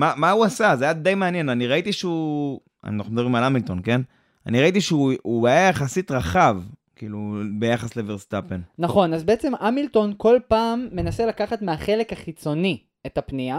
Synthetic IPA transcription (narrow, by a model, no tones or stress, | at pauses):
mamauasazeajad̪ejmeanje̞naniʁait̪iʃeu | a̰naχnumedabʁimalamilt̪o̞nke̞n | a̰niʁait̪iʃeuuajajaχasit̪ʁaχavkiːlubejaχasleveʁst̪apennaχo̞nazbeet͡se̞mʔamilt̪o̞nko̞lpaːmːe̞naselakaχat̪meaχe̞le̞kaχit͡so̞ni | etapnia